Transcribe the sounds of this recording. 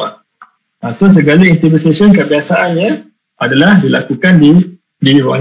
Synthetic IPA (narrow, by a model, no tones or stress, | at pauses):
a | asos̬əɡalaint̪ibisesənkəbiasaʔanɲã | adalahdilakukandi | diɾua